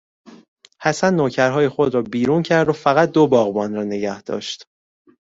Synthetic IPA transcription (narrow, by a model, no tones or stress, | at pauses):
hæsænːoːcʰæɾɦɒːje̞xo̞d̪ɾɒːbiːɾuːncʰæɾd̪ofæɣæt̪̚d̪obɒːɣbɒːnɾɒːne̞ɟæhd̪̥ɒ̰ːʃt̪